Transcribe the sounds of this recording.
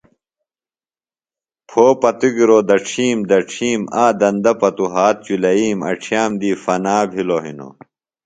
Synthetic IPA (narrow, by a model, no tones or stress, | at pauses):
pʰoːpɐt̪uɡiɾoːd̪ɐʈ͡ʂʰiːmd̪ɐʈ͡ʂʰiːmaːd̪ɐnd̪ɐpɐt̪uɦaːt̪̚t͡ɕulɐiːmɐ̰ʈ͡ʂʰjaːmd̪iːfɐnaːbʱiloɦḭno̰